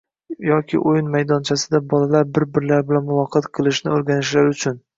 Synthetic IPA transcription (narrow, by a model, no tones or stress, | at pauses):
jɒkʲʰɪ̰ʔojɪnmajd̪ɒnt͡ʃʰasɪd̪abɒlalaɾbɪɾbɪɾlaɾbɪlanmʊvɒqʰːɨt̪qʰɨlˠɪʃnɪoɾɡʲanɪʃlaɾʊt͡ʃʰʊn